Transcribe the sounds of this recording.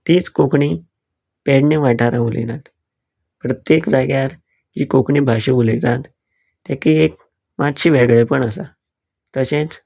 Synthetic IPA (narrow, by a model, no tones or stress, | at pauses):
t̪iːt͡skokɳi | peɽneʋaʈʰaɾãulḛnat̪ | pɾət̪jekd͡zaɡjaɾ | d͡ʑḭːkokɳiːbʱaɕeuled͡zat̪ | t̪ːjakiek̚ | mat̪ɕiːʋeɡɭepəɳəsa | t̪əɕẽt͡s